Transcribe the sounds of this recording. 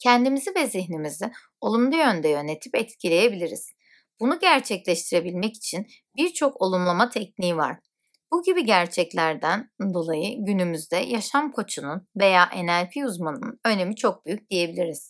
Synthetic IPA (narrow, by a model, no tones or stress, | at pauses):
cʰɛnd̪imizivɛziçnimizi | olˠumlˠujø̞nd̪ɛjø̞ne̞t̪ʰipɛt̪cʰilʲe̞je̞bilʲiɾḭz̥ | b̥unuɟæɾt͡ʃʰɛclʲɛʃt̪ʰiɾe̞bilʲmɛci̥t͡ʃʰin | biɾt͡ʃʰo̞ko̞lˠumlˠamat̪ʰɛc̚niːiva̰ɾ̥ | b̥uɟibiɟæɾt͡ʃʰɛclʲæɾd̪ænd̪o̞lˠajɯɟynymyzd̪ɛ̰jaʃamkʰo̞t͡ʃʰununve̞jaːʔe̞næɾpʰiuzmanɯnø̞ne̞mit͡ʃʰo̞k̚byjyc̚ʲd̪ije̞bilʲiɾiz̥